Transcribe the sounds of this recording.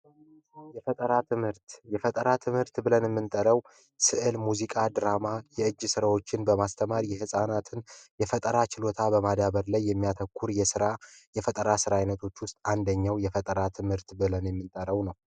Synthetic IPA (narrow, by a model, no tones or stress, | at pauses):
jɛfət̪ʼəɾat̪ʰɨmhɨɾt̪jɛfət̪ʼəɾat̪ʰɨmhɨɾt̪bɨlənjɛmːɨnt̪ʼəɾəw | sɨʔɨlmuzikʼad̪ɨɾamajɛɨd͡ʒːsɨɾawo̞t͡ʃːɪnbəmast̪ʰəmaɾjɛhɨsʼanat̪ʰɨnjɛfət̪ʼəɾat͡ʃɪlo̞t̪ʰabəmad̪aβəɾlajːɛmːijat̪ʰəkʰʷːuɾjɛsɨɾajɛfət̪ʼəɾasɨɾajnət̪ʰo̞t͡ʃːwʊst̪ʼand̪əɲːawjɛfət̪ʼəɾat̪ʰɨmhɨɾt̪bɨlənjɛmːɨnt̪ʼəɾəwnəw